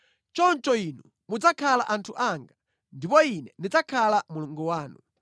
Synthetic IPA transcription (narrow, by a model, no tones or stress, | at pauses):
t͡ʃɔnt͡ʃɔinu | mud͡zakʰalaʔantʰuʔaŋɡa | ndipɔinɛndid͡zakʰalamuluŋɡuwaːnu